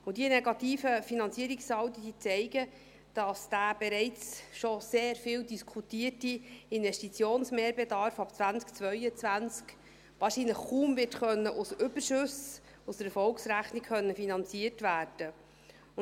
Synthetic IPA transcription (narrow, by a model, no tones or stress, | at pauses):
ʊdinɛɡɑtiːfəfinɑnt͡siːəɾiksɑwt̪əd̥iːt͡sɛɪɡə | d̥ɑsd̥aːb̥ɛɾɛɪt͡sʃoseːɾfiːldiskʰutiːətiɪnvɛʃtit͡sjoːnsmeːɾbedɑɾfɑpt͡svænt͡skt͡sʋœʏət͡sʋænt͡sk | ʋɑːʃiːnləχkuːmvɪtχœnːəʔusʏbəɾʃʉs | usd̪əɾɛfɔlksɾæχnikχœnːəfinɑnt͡siəɾtʋæːrd̥ə